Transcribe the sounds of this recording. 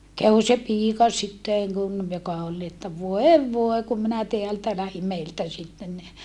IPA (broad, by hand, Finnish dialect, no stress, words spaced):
kæw se piːkɑ sitːeˑŋ kun jokɑ ol ni etːæ ʋoeʋ ʋoe kum minæ teæltæ læhim meiltæ sitːen ni